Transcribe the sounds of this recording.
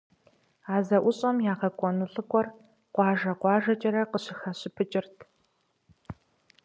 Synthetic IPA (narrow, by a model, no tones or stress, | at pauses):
aːzɐʔʷʊɕʼɐmjaːʁɐkʷʼɔnɨɬʼɨkʷʼɔr | qʷɑːʒɐqʷɑːʒɐt͡ʃʼɐɾɐqəɕɪxɐɕɪpʰɨt͡ʃʼɪrtʰ